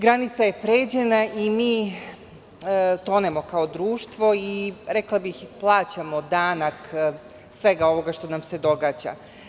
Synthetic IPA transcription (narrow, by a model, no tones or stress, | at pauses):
ɡɾanit̪saje̞pɾeːd͡ʑe̞naʔimiː | t̪o̞ːnemo̞kao̞d̪ɾuːʃt̪ʋo̞iɾe̞klˠabixplˠaːt͡ɕamo̞d̪aːnak | sʋe̞ɡao̞ʋo̞ɡaʃt̪o̞namse̞d̪o̞ɡaːd͡ʑa̰